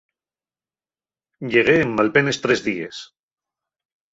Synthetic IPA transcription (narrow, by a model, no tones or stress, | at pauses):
ʎeɣ̞eːmːalpenest̪ɾezðiḛs